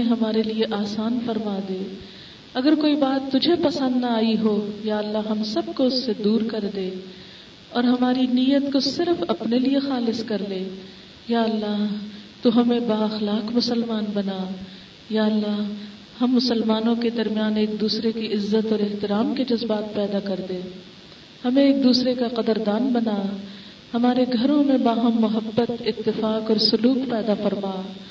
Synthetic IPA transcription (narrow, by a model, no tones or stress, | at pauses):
ẽɦɐmaːɾelieʔaːsaːnfɐɾmad̪eː | ɐɡəɾkoːibaːt̪ːʊd͡ʒʱepɐsə̃nd̪naaːiɦojaːɐlːaɦɐmsɐb̚koʊsːed̪uːɾkɐɾd̪eː | ɔːɾɦɐmaːɾinijət̪kosɪɾfɐpneliexaːlɪskɐɾleː | jaːɐlːaɦt̪oɦɐmẽbaːɐxlaːkmʊsəlmaːnbɐna | jaːlːaːɦ | hɐmːʊsəlmaːnõked̪ɐɾmijaːneːkd̪uːsɾekiʔɪzːət̪ɔːɾɛɦt̪ɪɾaːmked͡ʒɐzbaːt̪̚pɛːd̪akɐɾd̪eː | hɐmẽeːk̚d̪uːsɾekaqɐd̪əɾd̪aːnbɐnaː | hɐmaːɾeɡʱɐɾõmẽbaːɦɐmːʊɦəbːət̪ɪt̪ːɪfaːkɔːɾsʊluːqpɛːd̪afɐɾmaː